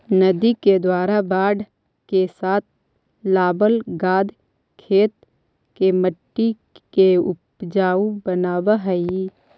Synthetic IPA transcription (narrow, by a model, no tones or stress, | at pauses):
nəd̪iked̪waːɾabaːɖ | kesaːt̪̚ʰ | laːbəlɡaːd̪ʱ | kʰeːt̪̚ | keməʈːi | keʊpd͡ʒaːubənaːbaɦəi